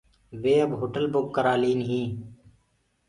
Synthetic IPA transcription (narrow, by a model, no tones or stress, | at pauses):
ʋeːəbɦoːʈəlbʊkːəɾaːliːnɦĩː